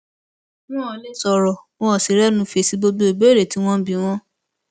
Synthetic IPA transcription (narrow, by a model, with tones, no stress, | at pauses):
nũ˦ɔ˧le˦sɔ˧ɾɔ˨w̃ɔ̃˦ɔ˨si˨ɾɛ˦nũ˧˦fe˧˨si˨˦bo˦bu˦e˨be˦˨ɾe˨ti˨˦w̃ɔ̃˦bi˧w̃ɔ̃˦